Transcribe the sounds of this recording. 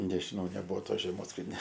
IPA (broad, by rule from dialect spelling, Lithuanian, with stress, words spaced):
nʲɛʒʲɪˈnɐʊ nʲɛˈbʊʋoː ˈtoːs ʒʲɛˈmoːs kɐt nʲɛ